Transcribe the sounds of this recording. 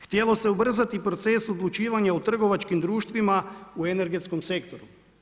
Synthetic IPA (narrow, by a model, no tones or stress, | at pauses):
xt̪jelo̞se̞ubr̩zat̪ipɾo̞t̪se̞so̞d̪lut͡ʃiːʋaɲaut̪r̩ɡo̞ʋat͡ʃkimd̪ɾuːʃt̪ʋimaue̞ne̞ɾɡe̞t̪sko̞mse̞kt̪o̞ɾu